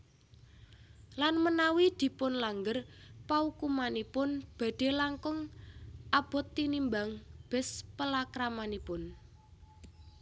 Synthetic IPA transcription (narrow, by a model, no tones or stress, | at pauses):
lanmənawid̪̥i̤pʊnlaŋɡərpaukumanipʊnb̥ä̤ɖ̪̥e̤laŋkʊŋʔab̥ɔ̤t̪ːinimbaŋb̥ɛ̤spəlakɾamanipʊn